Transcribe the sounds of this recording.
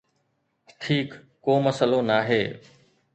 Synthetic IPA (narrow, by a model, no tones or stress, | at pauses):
ʈʰiːkː | oːməsəlonaːɦeː